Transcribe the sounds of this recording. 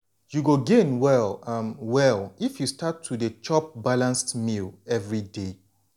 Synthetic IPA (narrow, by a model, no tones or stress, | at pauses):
juɡoɡẽnwɛlʌmwɛlˠifjustatʰːudət͡ʃɔp̚balãnstmilɛvɹide